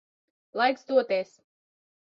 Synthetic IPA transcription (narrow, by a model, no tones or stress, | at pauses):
lˠajksd̪uɔt̪eːs